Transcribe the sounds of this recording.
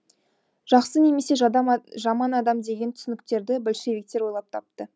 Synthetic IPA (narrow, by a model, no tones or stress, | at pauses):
ʒ̥ɑqsəne̞me̞se̞ʒʒɑmɑnɑd̪ɑmd̪e̞ɡʲe̞nt̪ʰʏ̥sɪnɪk̚t̪e̞ɾd̪ɪbɪlʃe̞vek̚t̪e̞ɾwo̞jlˠɑp̚t̪ʰɑp̚t̪ə